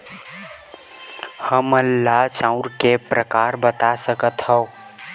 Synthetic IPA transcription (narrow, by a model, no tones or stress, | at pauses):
həməlːat͡ʃãʊ̃ɾkepɾəkaɾbət̪asəkət̪həo